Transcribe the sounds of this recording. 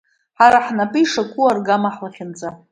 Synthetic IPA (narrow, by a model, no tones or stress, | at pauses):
ħaɾaħnapʼɨiʂakʷʰʼuarɡamaħlaχʲɪnd͡zʼa